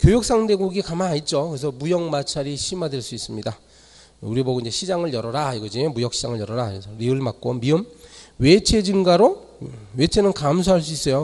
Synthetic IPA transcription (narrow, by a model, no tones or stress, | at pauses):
kjojuk̚s͈aŋde̞ɡuɡikamanait̚t͡ɕ͈okɯɾes̬ʰʌmujʌŋmat͡ɕʰaɾiɕʰimadweɭs͈uis͈ɯmɲida | uɾiboɡiɲd͡ʑeɕʰid͡ʑaŋɯɭjʌɾʌɾaiɡʌd͡ʑibujʌk̚ɕʰid͡ʑaŋɯɭjʌɾʌɾaesʰʌɾiɯɭmak̚k͈omiɯmwe̞t͡ɕʰe̞d͡ʑinɡaɾo | we̞t͡ɕʰe̞nɯnkams̬ʰoɦaɭs̬͈uis͈ʌjo